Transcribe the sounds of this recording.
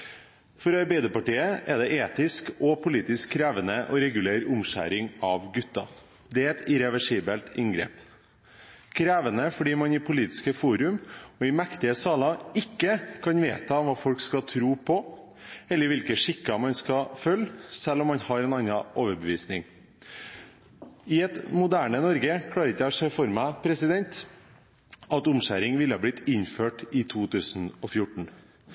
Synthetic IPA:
fɔɾɑɾbɛɪd̪əpɑʈiːəʔɛd̪ɛʔeːt̪ɪskɔpʰʊliːt̪ɪskʰːɾæːʋənəʔɔɾɛɡʉleːɾʊmʃæ̰ːɾɪŋɑʋɡʉt̪ːɑ | d̪ɛɛt̪ɪɾɛʋɛʂiːbəlt̪ɪŋɡɾḛːp | kʰɾæːʋənəfɔɖiːmɑnɪpʰʊliːt̪ɪ̥skəfuːɾʉmɔɪmɛkt̪ɪəsɑːlɑɪkːəkʰɑnʋḛːt̪ɑɔmʋɑːfɔlkskɑt̪ʰɾuːpʰɔ | ɛlːəɾʋɪlkəʂɪkːɑmɑnskɑfœlːsɛlːɔmːɑnhɑɾɛːnɑnɑʔoːʋəɾbəʋiːsnɪŋ | ɪɛt̪mʊd̪æːɳənɔɾɡəkʰlɑːɾəɾɪtːæsɛfɔɾmæpʰɾɛsɪd̪ɛnt̪ | ɑt̪ʊmɕæ̰ːɾɪŋʋɪləhɑːblɪt̪ɪɲføːʈɪt̪ʰuːt̪ʉːsn̩ɔfjʊʈɳ̩

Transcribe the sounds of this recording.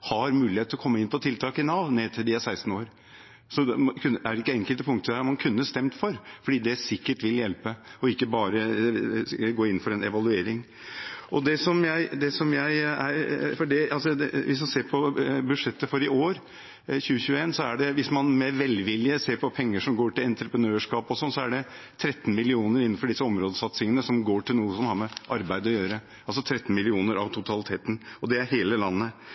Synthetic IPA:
hɑɾmʉːlɪheːt̪ʰːlɔkʰɔmːəɪnːpʰɔɔt̪ʰɪlt̪ʰɑːkɪnɑːʋneːt̪ʰɪld̪ɪæsæɪst̪n̩oːɾ | sɔkʰʉnːæɾɪkːəɛŋkəlt̪əpʰʊŋkt̪əd̪æmɑnkʰʉnːəst̪ɛmt̪fɔɾfɔɖiːd̪ɛsɪkːəʈʋɪljɛlpəɔɪkːəbɑːɾə | ɡoːɪnːfɔɾɛnɛ̰ʋɑlʉeːɾɪŋ | ʔɔd̪ɛsɔmjæɪd̪ɛsɔmjæɪæɾfɔɖɛɑlsɔɛʋɪsmɑnseːɾpʰɔbʉʂɛt̪ːəfɔɾɪoːɾ | çʉːəçʉːəeːnsɔæɖɛʋɪsmɑnmɛʋɛlʋɪlːɪəseːɾpɔpʰɛŋːəʂɔmɡoːʈɪlɛnt̪ɾəpɾənøːʂkɑːpɔsɔnːsɔæɖɛt̪ʰɾɛt̪ːnmɪlɪuːnəɾɪnːn̩fɔɖɪsːəɔmɾoːd̪əsɑt̪sɪŋənəsɔmɡoːʈɪlnuːəsɔmhɑɾmɛʔɑɾbæɪd̪əɔjøːɾə | ɑlsɔt̪ʰɾɛt̪ːnmɪlɪuːnəɾɑʋt̪ʰʊt̪ʰɑlɪt̪ʰeːt̪n̩ɔd̪ɛæɾɦeːləlɑnːə

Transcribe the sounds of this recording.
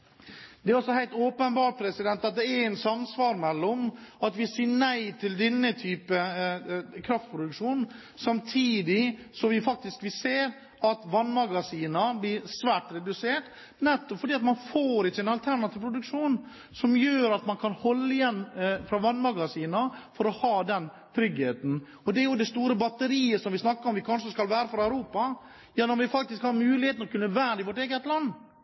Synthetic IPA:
d̪ɛæɾɔsɔhæɪt̪oːpənbɑːʈ̚pʰɾɛsɪd̪ɛnt̪ɑt̪̚d̪ɛæɛɾɛnsɑmsʋɑːɾmɛlːɔmɑt̪ʋɪsiːɳæɪt̪ʰɪld̪ɛnːət̪ʰyːpə | kʰɾɑft̪pʰɾʊd̪ʉkʂuːnn | sɑmt̪ʰiːd̪ɪsɔʋɪfɑk̚t̪ɪskʋɪseːɾ | ɑt̪ʋɑnːmɑɡɑsiːnɑblɪɾsʋæːʈɾɛd̪ʉseːʈ | nɛt̪ːɔpfɔɖiːɑt̪mɑnfoːɾɪt͡ʃːəɛnɑlt̪ʰæɾɳɑt̪ɪʋpʰɾʊd̪ʉkʂuːn | sɔmjøːɾɑt̪mɑnkʰɑnhɔlːəɪjɛnːfɾɑʋɑnːmɑɡɑsiːnɑfɔɾɔhɑːd̪ɛn | t̪ʰɾʏɡheːt̪n̩ | ɔd̪ɛæɾjʊd̪ɛst̪uːɾəbɑt̪ːəɾiːəsɔmʋɪsnɑkːəɾɔmʋɪkʰɑnʂəskɑlʋæːɾəfɔɾæʉɾuːpɑ | jɑːnɔɾʋɪfɑkt̪ɪskhɑɾmʉːlɪheːt̪nlɔkʰʉnːəʋæːdɪʋɔʈeːɡət̪lɑnː

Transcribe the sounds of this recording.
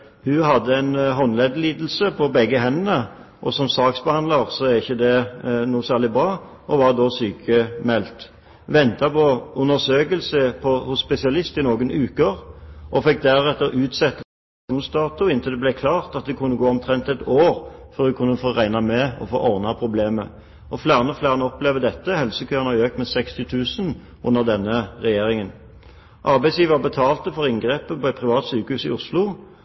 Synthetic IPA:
hʉhɑd̪ːəæɪnɦɔnlɛd̪liːd̪l̩səpʰɔbɛɡːəɦɛnnə | ʔɔsɔmsɑːksbəhɑnlɑʁsɔæɾʁɪçːəd̪ɛnuːsæːʁɭɪbʁɑː | ɔʋɑʁd̪ɔsyːkʰəmɛlt̪ | ʋɛnt̪ɑpɔʉnːəʁsøːkəlsəpʰɔhʊsːpɛsɪɑlɪst̪ɪnoːɡənʉːkəʁʔɔfɛk̚ːd̪æʁɛt̪ːəɾʉːt̪sɛt̪ːə | uːnsd̪ɑːt̪ʊɪnt̪ʰɪld̪ɛblæɪkʰlɑːʁt̪ɑt̪̚d̪ɛkʰʊnːəɡoːɔmt̪ʰʁɛnt̪ɛt̪oːʁfɔʁd̪ʉkʰʊnːəfoːʁæɪnɑmɛɔ̰fo̰ːʔɔʁnɑpʰʁʊbleːmə̰ | ʔɔflæːʁənɔflæːʁənəɔpleːʋəd̪ɛt̪ːəhɛlsəkʰøːɑnɑøːk̚t̪mɛsɛkst̪ɪt̪ʰʉːsən | ʔʊnːəʁd̪ɛnːəʁɛjeːʁɪŋən | ʔɑʁbæɪsjiːʋəbət̪ʰɑːlt̪əfɔʁɪŋɡʁeːpəpɔɛt̪̚pʰʁɪʋɑːt̪syːkəhʉːsɪ̰ʊslʊ

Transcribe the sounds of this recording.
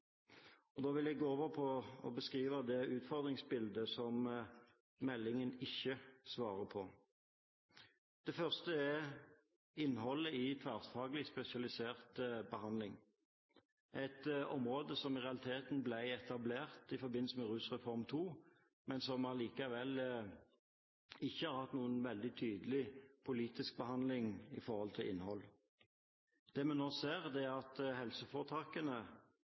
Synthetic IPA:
ɔd̪oːʋɪljæɡoːoːʋəɾpʰɔɔ̰bəskʁiːʋəd̪ɛʉːt̪fɔʁd̪ʁɪŋsbɪld̪əsɔm | mɛlːɪŋənɪçːəsʋɑːɾəpʰɔ | d̪̥ɛfœʁst̪əɛ | ɪnːhɔlːəɪt̪ʰʋæʁsfɑːɡlɪspɛsɪɑlɪseːʁt̪bəhɑnd̪lɪŋ | ʔæɪt̪ɔmʁoːd̪əsɔmɪʁɛɑlɪt̪ʰeːt̪n̩blæɪɛt̪ɑbleːʁt̪ɪfɔbɪnl̩səmɛʁʉːsʁɛfɔʁmt̪ʰuː | mɛnsɔmɑliːkɑʋɛl | ɪçːəhɑɾhɑt̪nuːənʋɛld̪ɪt̪ʰyːd̪əlɪpʰʊliːt̪ɪsk̚bəhɑnd̪lɪŋɪ̰fɔʁhɔlt̪ʰɪlʔɪ̰nhɔlː | d̪̥ɛːmɛnːoːseːʁd̪ɛæʁɑt̪hɛlsəfoːʁt̪ʰɑːkənə

